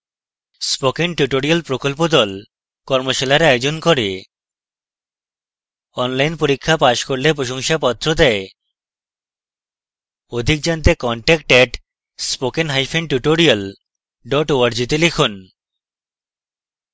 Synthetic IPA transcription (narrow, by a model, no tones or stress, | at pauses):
spokenʈuʈoɾialpɾokolp̬od̪ɔl | kɔɾmoʃalaɾajod͡ʑonkɔɾe | ɔnlajnpoɾikʰːapaʃkoɾlepɾoʃoŋʃapɔt̪ːɾod̪ɛe | od̪ʱik̚d͡ʑant̪ekɔɳʈɛk̚ʈɛʈ | spokenɦajfʰenʈuʈoɾial | ɖɔʈoaɾd͡ʑit̪elekʰon